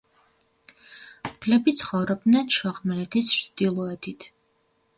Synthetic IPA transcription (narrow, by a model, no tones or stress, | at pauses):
kʰlɛbit̪sʰχɔvɾɔb̚d̪nɛnʃwaʁmɛlɛt̪ʰisd̪ilˠɔɛt̪ʰit̪ʰ